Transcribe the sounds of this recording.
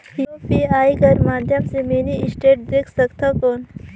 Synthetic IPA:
jopiaːikəɾmaːd̪ʱjəmsemeːniɪsʈeːʈ̚d̪eːkʰsɐkt̪ʰakoːn

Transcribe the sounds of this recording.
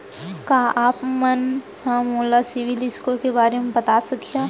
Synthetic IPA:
kaːʔaːpmɐn | ɦãmoːlasɪʋɪlɪskokebaːɾemẽbɐt̪asɐkjaː

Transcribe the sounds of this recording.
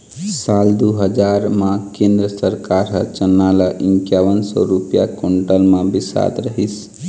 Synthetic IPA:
saːld̪uɦəd͡ʒaːɾmãkẽːnd̪ɾəsəɾkaːɾɦət͡ʃənːaːlaʔɪ̃ŋkjaʋənsɔ̰ɾupja̰koɳʈəlmãbɪsa̰ːd̪ɾəɦis

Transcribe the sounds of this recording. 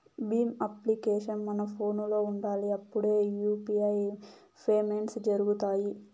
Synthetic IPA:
biːmɐplikeːʃɐnmɐnɐpʰo̞ːnlo̞ːuɳɖaːliɐpːuɽe̞ːjuːpiɐj | pʰeːmeɳʈsd͡ʒɐɾuɡut̪aːji

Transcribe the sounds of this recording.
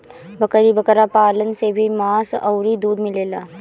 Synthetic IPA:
bɐkəɾibɐkəɾapaːlənsebʱimaːsɐʊɾid̪uːd̪mɪleːlaː

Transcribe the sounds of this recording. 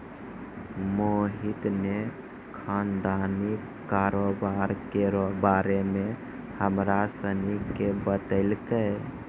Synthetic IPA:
moɦit̪ne | kʰand̪anikː | aɾobaɾkeɾɔbaɾeme | həmɾasənikebət̪əɪlkə

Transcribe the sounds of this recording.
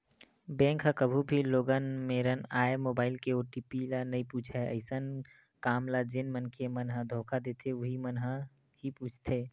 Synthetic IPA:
bɛ̃ːŋkɦakəbʱubʱiloːɡənmeːɾənaːemoːbaːɪlkeoːʈipilanɐĩpuːt͡ʃʰaɦeə̰ɪsən | kaːmlad͡ʒɪnmənkʰemənɦad̪ʱoːkʰad̪eːt̪ʰeʊɦimənɦa | hipuːt͡ʃʰt̪ʰeː

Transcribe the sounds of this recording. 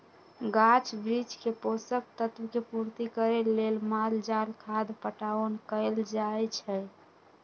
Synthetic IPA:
ɡat͡ʃbɾid͡ʒkeposək̚t̪ət̪wkepuɾt̪ikəɾelːelmald͡ʒalkʰad̪pəʈaənkəɪld͡ʒajt͡ʃʰɛ

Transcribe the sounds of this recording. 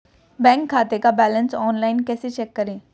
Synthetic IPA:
bɛ̃ːŋkʰːaːt̪ekabɛːlənsɔːnlaːɪnkɛːset͡ʃɛːkːɐɾẽː

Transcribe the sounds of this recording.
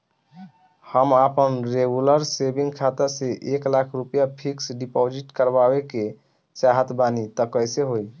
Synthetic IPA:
həmapənɾeɡuləɾsebiŋɡkʰat̪əɾseʔeklakʰɾupjapʰiksɖipod͡ʒiʈkəɾbabeke | saɦət̪banit̪əkəjseɦoj

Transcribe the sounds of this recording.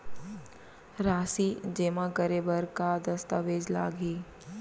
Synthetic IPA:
ɾaːsiːd͡ʒeːmãkəɾebəɾkad̪ɐst̪aʋeːd͡ʒla̰ːɡiː

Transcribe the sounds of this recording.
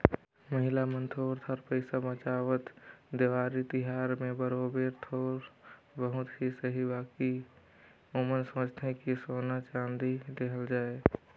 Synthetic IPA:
məɦɪlamə̃nt̪ʰoːɾt̪ʰəɾpəɪsabət͡ʃaːʋət̪d̪eʋaːɾit̪iɦaɾmẽbəɾobeɾt̪ʰoːɾ | bəɦʊt̪ɦisəɦibaːki | omənsə̃ət͡ʃt̪ʰẽkisoːnat͡ʃãːnd̪id̪eɦəld͡ʒaːe

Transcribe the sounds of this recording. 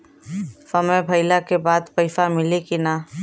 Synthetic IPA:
sɐməbʱɐɪlakebaːd̪pɐɪfamɪlikinaː

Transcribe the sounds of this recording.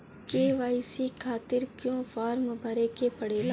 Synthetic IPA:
keːʋaːisikʰaːt̪ɪɾkjõfaːɾmbʱɐɾekepɐɽeːlaː

